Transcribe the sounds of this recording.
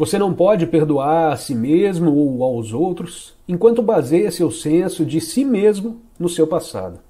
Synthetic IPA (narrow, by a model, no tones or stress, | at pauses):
vosenɐ̃w̃pɔd͡ʒɪpeɾd̪uaɾasimezmʊowawzowt̪ɾʊs | ẽkwɐ̃nt̪ʊbazejɐsɪʊsẽsʊd͡ʒɪsimezmʊ | nʊsewpasa̰d̪ʊ